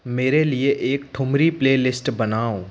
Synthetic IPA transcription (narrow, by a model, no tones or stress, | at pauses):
meːɾelieʔeːkʈʰʊmɾipleːlɪsʈbɐnaːoː